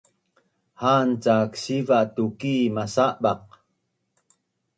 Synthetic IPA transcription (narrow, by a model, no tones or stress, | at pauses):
hant͡saksivaʔtukimasaʔbaq̚